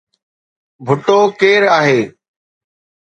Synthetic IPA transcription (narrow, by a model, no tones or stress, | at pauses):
bʱʊʈoːkeːɾaːɦeː